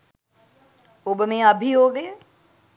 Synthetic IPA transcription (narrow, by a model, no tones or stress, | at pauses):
ʊbɪmẽəbʱiɦoːɡe